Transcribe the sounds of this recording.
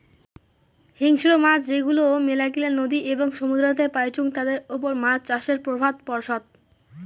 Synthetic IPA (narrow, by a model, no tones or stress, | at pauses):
hiŋʃiɾomat͡ɕd͡ʑeɡulomelakileɾnod̪iʔeboŋʃomud̪ʱɾot̪epajt͡ɕuŋt̪ad̪eɾopoɾmat͡ɕt͡ɕaʃeɾpɾobʱad̪pɔɾʃod̪̚